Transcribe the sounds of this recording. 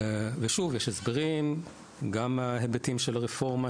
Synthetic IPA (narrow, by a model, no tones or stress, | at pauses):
veʃuvjeʃesbeʁim | ɡamaɦebetimʃelaʁefo̞ʁma